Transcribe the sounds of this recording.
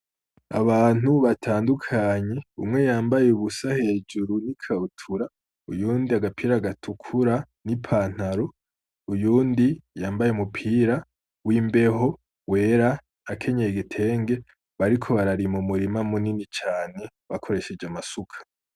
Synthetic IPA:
aβaːn̥uβatʰaːndukʰaɲe̞ṵmŋe̞jaːmbajeuβusahe̞ːd͡ʒuɾunikʰautʰuɾa | ujuːndiaɡapʰiːɾaɡatʰukʰuɾa | nipʰaːn̥haɾo̞ | ujuːndijaːmbajeumupʰiːɾa | wimbe̞ho̞ | we̞ːɾaː | kʰe̞ɲeeɡitʰe̞ːŋɡe̞ | βaɾikʰo̞βaɾaɾimumuɾimamuninit͡ʃaːne̞ | βakʰo̞ɾe̞ʃe̞d͡ʒamasukʰḁ

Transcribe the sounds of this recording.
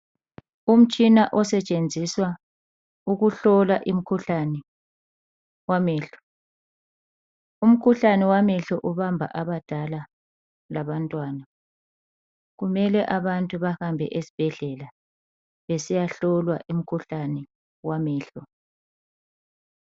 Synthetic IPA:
um̩t͡ʃʼinaʔɔsɛt͡ʃʼend͡zʱiswa | uɣuɬɔlaʔim̩kʰuɬanɛ | wamɛːɬɔ̥ | um̩kʰuɬanɛwamɛɬɔʔuβambʱa̰ʔaβad̥ʱala | laβantʼwaːna | ɣumɛlɛʔaβantʼuβahambʱɛ̰ʔesi̥b̥ʱɛɮɛla | βesijaɬɔlwa̰ʔim̩kʰuɬanɛ | wamɛːɬɔ

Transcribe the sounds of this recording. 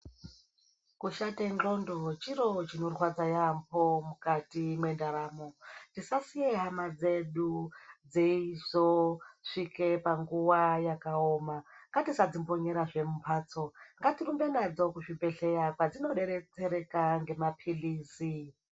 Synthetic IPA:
kuʃatend͡ɮo̞ndot͡ʃiɾot͡ʃinorwad͡zajampʰomukatimwe̞ndaɾaːmontisasijeɦamad͡zeɗud͡zeizoʂikepaŋɡuwajakaoːmaŋɡatisad͡zimboɲe̞ɾaʐe̞mumpʰaːt͡so̞ŋɡatirumbe̞nad͡zo̞kuʐibe̞ɬejakwad͡zino̞ɗe̞ɾet͡seɾe̞kaŋɡe̞mapʰiliːsi

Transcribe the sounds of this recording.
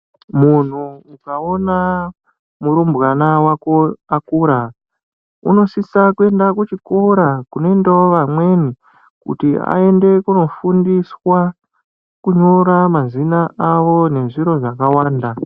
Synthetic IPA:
mun̤uːkao̞na | muɾumbɣanawakoakuɾa | ṵno̞sisakue̞ndakut͡ʃikoɾakuno̞indaoʋamwe̞ni | kṵtia̰e̞nde̞kuno̞fundiswa | kuɲo̞ɾamazinaʔaʋone̞ʐiɾo̞ʐakawaːnda

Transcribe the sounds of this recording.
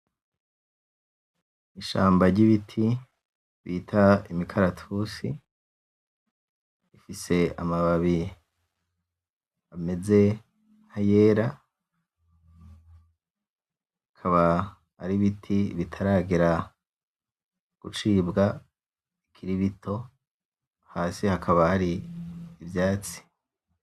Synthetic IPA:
iʃa̰ːmbaɾɟiβitʰi | βḭtʰaimikʰaɾatʰusi | ifise̞a̰maβaβi | βame̞ze̞ | n̥haje̞ːɾa | akʰaβa̰ː | ɾiβitʰiβitʰaɾaːɡiɾa | ɡ̥ut͡ʃiːbɡa | ikʰiɾiβitʰo̞ | haːsihakʰaβahaɾiː | vjaːt͡si̥

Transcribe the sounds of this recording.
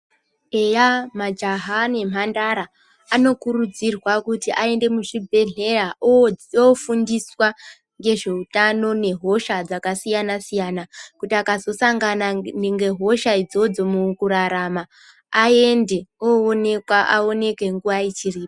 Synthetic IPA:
e̞jamad͡ʒaɦane̞m̤andaɾaː | no̞kuɾud͡zirwakutiʔae̞nde̞muʐibʱe̞ɮe̞ra | ofundiswa | ŋɡe̞ʐe̞utano̞ne̞ɦo̞ʃad͡zakasijanasijanakutiakazo̞saŋɡananeŋɡe̞ɦo̞ʃaid͡zo̞d͡zo̞mukuɾaɾamaː | e̞nde̞oone̞kwaʔao̞ne̞ke̞ŋɡuʋait͡ʃiriːpo

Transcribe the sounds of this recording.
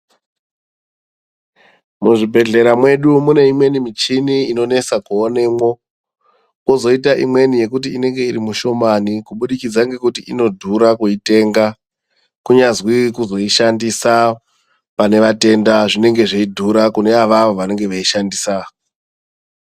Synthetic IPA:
muʐibʱe̞ɮe̞ɾamwe̞ɗumune̞imwe̞nimit͡ʃiniino̞ne̞t͡sakuone̞ːmwo̞ | kozo̞itaʔimwe̞nije̞kutiːne̞ŋɡe̞irimuʃo̞manikuɓuɗikid͡zaŋɡe̞kutiino̞dʱuɾakuite̞ːŋɡa | kuɲazwikuzo̞iʃandisa | pane̞ʋate̞ndaʐine̞ŋɡe̞ʐeidʱuɾakune̞aʋaʋoʋane̞ŋɡe̞ʋaiʃandiːsa

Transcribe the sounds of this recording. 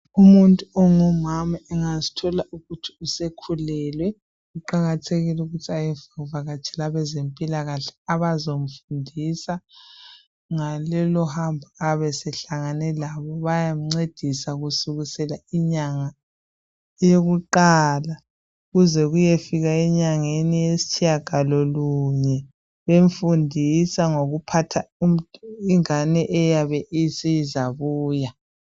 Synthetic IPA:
umuntʼuɔŋɔmamaɛŋazi̥tʰɔlaʔuɣutʰi̥usekʰulɛːlwɛ | uǃaɣatʰeɣiluɣutʰiajɛvavaɣat͡ʃʰɛlaβɛzempʼilaɣaɬɛ̥aβazom̩fundʱisa | ŋalɛlɔhambʱaaβɛsɛɬaŋanɛlaβɔβajam̩ŋ͡ǀed̥ʱisaɣusuɣusɛlaiɲaŋa | joɣuǃaːla | uɣuzɛɣujefiɣaiɲaŋenijesi̥t͡ʃʰijaɡ̥ʱalɔluɲɛ | βeɱfundʱisaŋoɣupʰatʰauiŋanɛʔɛjaβɛʔisizaβuːja

